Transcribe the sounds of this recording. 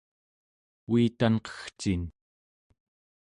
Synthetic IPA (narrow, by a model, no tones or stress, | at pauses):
iːt̪anqʌ̥xt͡ʃin